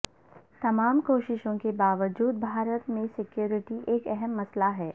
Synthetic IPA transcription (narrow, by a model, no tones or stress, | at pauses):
t̪ɐmaːmkoːʃɪʃõkebaːʋəd͡ʒuːd̪bʱaːɾət̪mẽsɪkjoːɾɪʈiʔeːkɛɦɛmːɐslaɦɛː